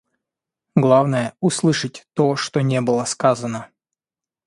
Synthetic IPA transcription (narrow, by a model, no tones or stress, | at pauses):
ɡlˠavnəjəʊslˠɨʂətʲt̪oʂt̪onʲebɨlˠəskazənə